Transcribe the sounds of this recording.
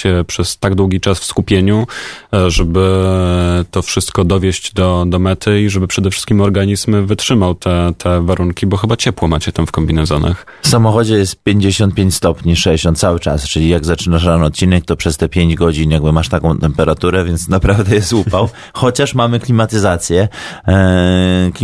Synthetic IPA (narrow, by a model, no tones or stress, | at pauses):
ɕɛpʂɛst̪aɡd̪wuɡʲit͡ʂasfskupʲjeɲu | ʐɛbɘ | t̪ɔfʂɘst̪kɔd̪ɔvʲjeɕd͡ʑd̪ɔd̪ɔmɛt̪ʰɘiʐɛbɘpʂɛd̪ɛfʂɘ̥s̚kʲimɔɾɡaɲizmvɘtʂɘmawt̪ʰɛt̪ʰɛvaɾuŋkʲibɔxɘbat͡ɕɛpwɔmat͡ɕɛt̪amfkɔmbʲinɛzɔna̰x | fsamɔxɔd͡ʑɛjɛst̪̚pʲjeɲd͡ʑeɕɔnt̪̚pʲeɲt͡ɕʲst̪ɔpɲiʂɛɕɔnt̪sawɘt͡ʂa̰st͡ʂɘlʲijaɡzat͡ʂɘnaʂɾanɔt̪̚t͡ɕinɛk̚t̪ɔpʂɛst̪ɛpʲjeɲd͡ʑɡɔd͡ʑinjaɡ̚bɘmaʂt̪akɔ̃w̃t̪ɛmpɛɾat̪uɾɛvʲjɛnt̪snapɾavd̪ɛjɛst̪upaw | xɔt͡ɕaʂmamɘklʲimat̪ɘzat̪sʲjɛ | k